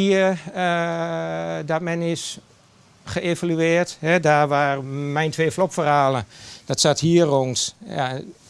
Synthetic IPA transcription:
iə | dɔt̚mɛnɪs | xəevalyɪːəthɛdaːʋaːrmɛjntʰʋeːflopfəraːləd̥ɔtsathiəroŋsja̰

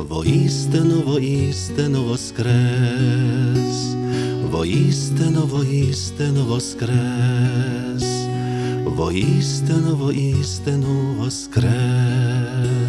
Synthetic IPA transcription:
vɔ̰ist̪ɛnɔvɔist̪ɛnɔvɔskɾɛ | s | vɔ̰ist̪ɛnɔvɔist̪ɛnɔvɔskɾɛ | s | vɔ̰ist̪ɛnɔvɔʔist̪ɛnɔvɔskɾɛ

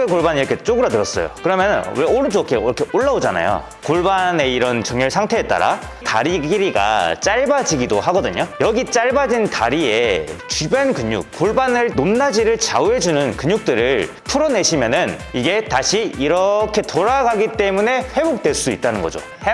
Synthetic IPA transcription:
ekoɭbaniɾʌkʰe̞t͡ɕ͈oɡɯɾatɯɾʌs͈ʌjo̰kɯɾʌmjʌnɯnweoɾɯt͡ɕ͈okʰeiɾʌkʰe̞ʔoɭːaod͡ʑana̰jo̰ | koɭbane̞iɾʌnt͡ɕʌŋɲʌɭsʰaŋtʰe̞ːt͈a̰ɾa̰ | ta̰ɾiɡiɾiɡa̰t͡ɕ͈aɭbad͡ʑiɡidoɦaɡʌdɯɲojʌɡit͡ɕ͈aɭbad͡ʑinta̰ɾie̞t͡ɕibjankɯɲṵk̚k͈ːoɭbanɯɭnomnad͡ʑiɾɯɭt͡ɕa̰uɦe̞d͡ʑunɯnkɯɲjuk̚t͈ɯɾɯɭ | pʰuɾʌne̞ɕʰimjʌnɯniɡe̞taɕʰiiɾʌkʰe̞toɾaɡaɡit͈e̞mune̞ɸwe̞bok̚twe̞ɭs͈uit̚t͈anɯnɡʌd͡ʑo̰ | he

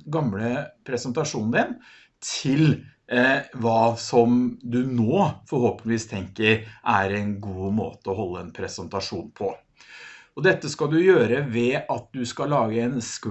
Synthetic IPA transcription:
ɡɑmɽəpʰɾɛsənt̪ɑʂuːnnd̪ɪn | t̪ʰɪl | ʋɑːsɔmd̪ʉnoːfɔɾhoːpənɪʋiːst̪ʰɛŋkəɾʔæɾɛɪnɡuːmo̰ːt̪əɔɦɔlːəɛnpʰɾɛsənt̪ɑʂuːnpʰɔ | ɔd̪ɛt̪ːəskɑd̪ʉjøːɾəʋɛʔɑt̪̚d̪ʉskɑlɑːɡəɛnsk

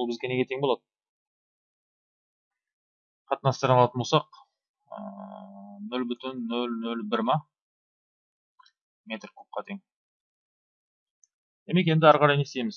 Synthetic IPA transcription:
lˠbɪzɡʲe̞ne̞ɡʲe̞t̪ʰeŋbolˠɑd̪ə | qʰɑt̪ənɑst̪əɾɑnɑlˠɑt̪ənbosɑq | ə̰ | nɵlbʏt̪ɪnːɵlnɵlbɪɾmɑ | me̞t̪rkʲʰɵp̚qɑt̪ʰeŋ | d̪̥e̞me̞k̬e̞nd̪ɪɑɾqɑɾɑjne̞st̪ejmɪz

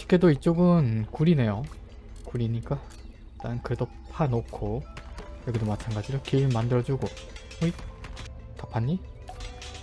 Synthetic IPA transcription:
i̥kʰe̞doit͡ɕ͈oɡɯnkuɾine̞jo | kuɾiɲik͈a | t͈anɯnkɯɾe̞do | pʰanokʰo | jʌɡidomat͡ɕʰanɡad͡ʑiɾokiɯɭmandɯɾʌd͡ʑuɡo | oi | tapʰaɲːi

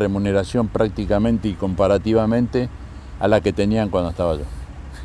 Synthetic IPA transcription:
remune̞ɾasjo̞mpɾak̚t̪ikamẽ̞nt̪eiko̞mpaɾat̪iβamẽnt̪e | a̰lake̞t̪e̞niaŋkwand̪oeht̪aβaʒo̰

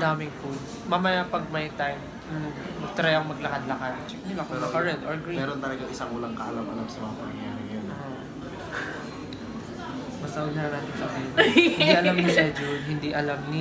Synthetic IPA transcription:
d̪aːmɪŋfud̪smamɐjapɐɡ̚mɐjt̪ajm | mɐt̪ɾɐjɐŋmɐɡlɐkɐd̪lɐkad̪̚t͡ʃɛknɪlakonɐkɐɾɛnʔoɹɡɾimɛːɾont̪ɐlɐɡaʔɪsaŋʔuːlɐŋkɐʔɐlamʔɐlamsɐmɐŋamɐnɐŋjjaːɾɪŋɐjonʔ | mɐsɐʊnɐɾɐnaːt̪ɪnsɐbinɪnd̪iʔɐlamɪʃɛd͡ʒoɦɪnd̪iʔɐlamnɪ

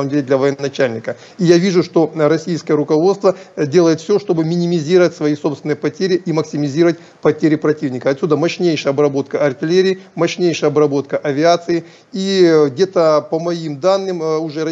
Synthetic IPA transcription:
məmdʲelʲɪd̪lʲɐvəjɪnɐt͡ɕælʲnʲɪkə | ijavʲiʐʊʂt̪o̞ɾɐsʲijskəjəɾʊkɐvo̞t̪st̪vədʲelˠəjɪt̪fsʲoʂt̪o̞bɨmʲɪnʲɪmʲɪzʲiɾəvətʲsvɐiso̞pst̪vʲɪnɨjəpɐtʲeɾʲɪʔiməksʲɪmʲɪzʲiɾəvətʲ | pɐtʲeɾʲɪpɾɐtʲivnʲɪkəɐt̪sʲud̪əmɐɕnʲejʂɨjəɐbɾɐbo̞t̪kəʔɐrtʲɪlʲeɾʲɪːmɐɕnʲejʂɨjəɐbɾɐbo̞t̪̚kəʔɐvʲɪat̪sɨɪ | iɡdʲe̞t̪əpəmɐimd̪anːɨmʊʐɛɾɐ

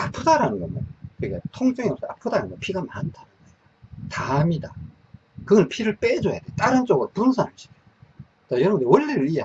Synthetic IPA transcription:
apʰɯdaɾanɯnɡʌɲokɯikatʰoŋt͡ɕ͈ɯŋios͈ea̰pʰɯdaɾanɯɡʌpʰiɡamantʰanɯnʌ | tamida | kɯɡʌnpʰiɾɯɭp͈ed͡ʑʌja̰d̥et͈aɾɯnt͡ɕ͈oɡɯɾopunsʰanaɭɕ͈i̥kʰe | t͈ajʌɾʌbndewʌʎːiɾɯɭija

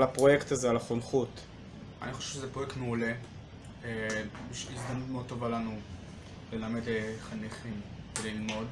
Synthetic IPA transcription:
lapʁo̞jektazealaχonχut | a̰niχo̞ʃevʃezepʁojektmeule̞ | ebiʃvilzd̪amnutmeod̚t̪ːo̞valanu | le̞lamedleχaniχimvelilmo̞d

